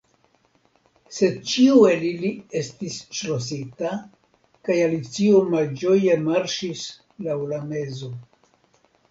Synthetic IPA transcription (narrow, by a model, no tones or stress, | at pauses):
se̞d̚t͡ʃiue̞lilie̞stisʃlos̬ita | kajalit͡siomald͡ʒo̞je̞maɾʃis | lawlame̞zo̞